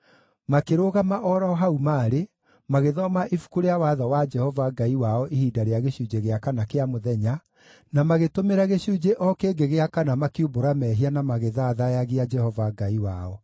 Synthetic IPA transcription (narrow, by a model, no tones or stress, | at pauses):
makeɾoɣamaʔɔɾɔɦaumaːɾe | maɣeðɔmaʔifu̥kuɾeawaðawad͡ʒɛhɔvaɡaiwaɔʔihiːdaɾeaɣeɕud͡ʒeɣeakanakeamoðɛɲa | namaɣetomeɾaɣeɕud͡ʒeʔɔkeːɡeɣeakanamakiuboɾamɛɦianamaɣeðaːðajaɣead͡ʒɛhɔvaɡaiwaɔ